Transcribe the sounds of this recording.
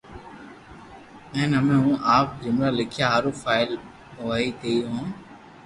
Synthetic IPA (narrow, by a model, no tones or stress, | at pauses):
ɛ̃ːnəmẽːɦũːʔaːp̚d͡ʒɪmɾaːlɪkʰijaːɦaːɾõːfʰaːɪl | ʋaːiːt̪eːiɦõː